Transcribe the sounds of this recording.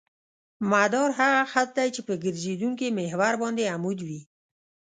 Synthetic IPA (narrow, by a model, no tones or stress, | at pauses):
mad̪ɑɾɦaɣaxat̪̚d̪ajt͡ʃepəɡəɾd͡ʒed̪uŋk̬emeɦwaɾbɑnd̪eamud̪wi